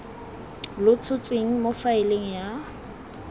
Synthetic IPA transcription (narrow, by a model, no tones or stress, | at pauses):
lʊt͡sʰʊt͡sʼweŋ̩mofaɪleŋ̩ja